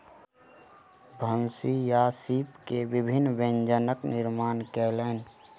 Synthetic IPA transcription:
bʱənsijasiːpkeʋɪbʱɪnːʋẽnd͡ʒənəknɪɾmaːnkɛlɛːn

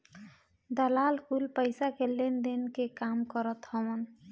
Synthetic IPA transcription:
d̪əlalkulpəjsakelːend̪enkekamkɔɾɔt̪hɔbɔn

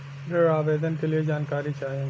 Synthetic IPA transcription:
ɾeaːʋeːd̪ənkelied͡ʒaːnkaːɾit͡ʃaːẽ

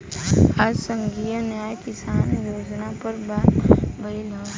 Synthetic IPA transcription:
ad͡ʒsə̃ŋɡijənjaːjkɪsaːnɾoːd͡ʒnapəɾbaːt̪bɐilãː

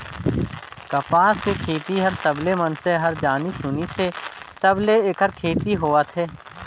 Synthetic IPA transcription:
kɐpaːskekʰeːt̪iɦɐɾsɐblemənseɦɐɾd͡ʒaːnisʊniset̪ɐbleekʰəɾkʰeːt̪iɦoːət̪ʰɦeː

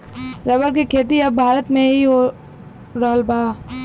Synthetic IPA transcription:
ɾɐbəɾkikʰeːt̪iɐbbʱaːɾət̪mẽɦio | ɾəːlbaː

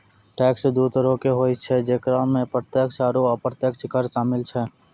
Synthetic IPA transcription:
ʈɛːksd̪ut̪əɾõkeɦoːit͡ʃʰɛd͡ʒeːkɾãmẽpɾət̪jəkʃaːɾuəpɾət̪jəkt͡ʃʰɪkəɾʃaːmɪlt͡ʃʰɛ

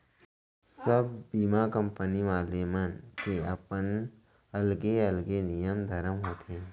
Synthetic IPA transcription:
səb̚biːmakə̃mpəniʋaːlemɐnkeɐpən | ɐlɡeɐlɡenijəmd̪ʱɐɾəmɦoːt̪ʰẽ

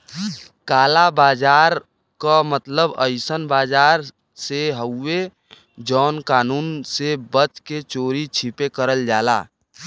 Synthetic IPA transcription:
kaːlabaːd͡ʒaːɾ | kamət̪ləbəɪsənbaːd͡ʒaːɾ | seɦəʊːe | d͡ʒɔːnkaːnuːnsebət͡ʃket͡ʃoːɾit͡ʃʰipekəɾəld͡ʒaːla̰ː

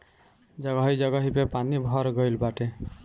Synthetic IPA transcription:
d͡ʒʌɡʌɦid͡ʒʌɡʌɦipepanibʱʌɾɡʌjlbaʈe

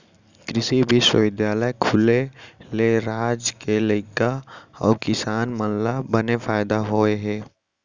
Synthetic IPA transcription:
kɾɪsibʱiswə̰wɪd̪jaːləjkʰʊleleɾaːd͡ʒkelekaɔ̰ːkɪsaːnmənlabənefʰaːɪd̪aɦoːeɦɛ̃ː

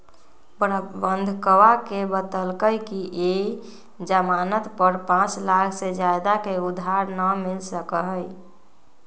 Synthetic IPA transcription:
bbənd̪ʱkəwakebət̪əlkəjkiʔe | d͡ʒəmaːnət̪pəɾpãt͡ʃlakʰsed͡ʒajd̪akeud̪ʱɦaɾnəmilsəkəɦəj

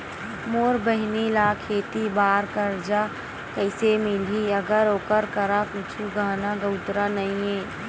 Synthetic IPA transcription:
moːɾbəɦnilaːkʰeːt̪ibaːɾkəɾd͡ʒa | kəɪsemɪliəɡəɾoːkəɾkəɾakʊt͡ʃʰuɡʱaːnaɡəʊt̪ɾanəĩẽː

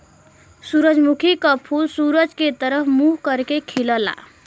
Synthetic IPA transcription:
suɾʌd͡zmukʰikʌpʰulsuɾʌd͡zket̪ʌɾʌpʰmuɦkʌɾkekʰilʌla̰

